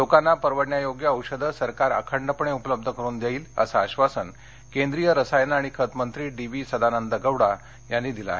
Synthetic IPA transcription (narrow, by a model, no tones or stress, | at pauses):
lokanːapəɾʋəɽɳjajoɡjəːwɕəd̪ʱəsəɾkaɾə̰kʰəɳɖəpəɳeupələb̚d̪ʱəkəɾuːnd̪jaiːlə̰saːɕʋasən | kend̪ɾijəɾəsajənaɽ̃ikʰət̪mənt̪ɾiːɖiʋisəd̪ʱanənd̪əɡəʋɽa | janːiːd̪ila̰ːɦe